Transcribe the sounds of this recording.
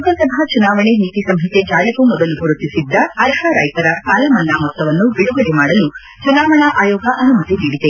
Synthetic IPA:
uk̪ɐsɐbʱat͡ʃunaːʋɐɳeniːt̪isɐmɦɐt̪ed͡ʒaːjɐkumɔd̪ɐlubʱuɾut̪ːisid̪ːɐɐɾɦɐɾɐjt̪ɐɾɐkaːlɐmɐlːaːmɔt̪ːɐʋɐnːubiɽuɡɐɽemaːɽɐlu | t͡ʃunaːʋɐɳɐʔaːjoːɡɐʔɐnumɐt̪id̪iːɽid̪e

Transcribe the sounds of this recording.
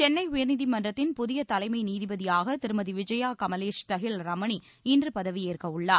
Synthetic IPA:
t͡ʃɛnːɐɪʊjɐɾnɪðimɐndrɐt̪ːɪnpʊðɪjɐt̪ɐlɐɪmɐɪniːðɪbɐðɪjaːɣɐt̪ɪɾɯmɐðiʋɪd͡ʒɐjaːkɐmɐleːʂt̪ɐɣɪlɾɐmɐɳi | ɪndrɯpɐðɐʋieːrkɐɯɭːaːɾ

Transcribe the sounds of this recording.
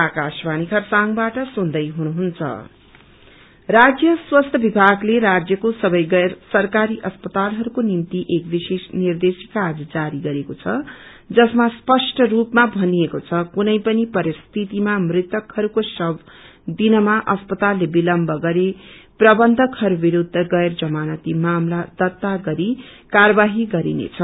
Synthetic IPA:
akasbanikʰʌrsaŋbaʈʌsund̪ʌjɦunuɦunt͡sʰʌ̰ | rad͡zjʌswʌst̪ʰʌbibʱaɡleɾad͡zjʌkosʌbʌjɡʌsʌrkaɾiʔʌspʌt̪alɦʌɾukonimt̪iʔekbisesnird̪esi̥kːad͡zd͡zaɾiɡʌɾekot͡sʰʌ | d͡zʌsmaspʌsʈʰʌrupmabʱʌniekot͡sʰʌkunʌjpʌnipʌɾist̪ʰit̪imamrit̪ʌkhʌɾukosʌb | d̪inʌmaʔʌspʌt̪alːebilʌmbʱʌɡʌɾeprʌbʌnd̪ʱʌkhʌɾubiɾud̪ʱːʌɡʌerd͡zʌmanʌt̪imamlad̪̥ʌt̪ːaɡʌɾikaɾʌbaɦiɡʌɾḭnḛt͡sʰʌ

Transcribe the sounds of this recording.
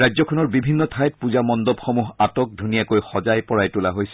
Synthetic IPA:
ajzɔkʰɔnɔɹbibʱinːɔtʰajt̚puzamɔndɔbxɔmuɦatɔk̚dʱunijakojxɔzajpɔɹajtulaɦojsɛ̥

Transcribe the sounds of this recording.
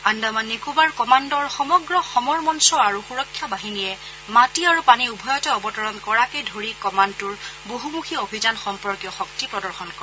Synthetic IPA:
andamanːikubaɹkɔmandɔɹxɔmɔɡɹɔxɔmɔɹmɔnsɔaɹuxuɹɔkʰːjɔbaɦinijɛ | matiaɹupaniubʱɔjɔtɔɔbɔtɔɹɔnkɔɹakejdʱoɹikɔmantʊɹboɦumuxʰiobʱizanxɔmpɔɹkjɔxɔk̚tipɹɔdɔɹxɔnkɔɛ

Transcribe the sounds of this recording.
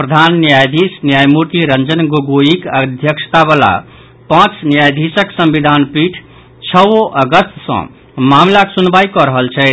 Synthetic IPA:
pɾəd̪ʱanːjajd̪ʱisnjajmuɾt̪iɾənd͡ʒənɡoɡoikəd̪ʱjəkʃə̥t̪aβala̰ | pãt͡ʃnijajd̪ʱisəksə̃mbid̪ʱanpiʈʰ | t͡ʃʰəwoʔəɡəst̪sə̰̃ | mamlaksunbaikɔɾəɦəlt͡ʃʰɛ

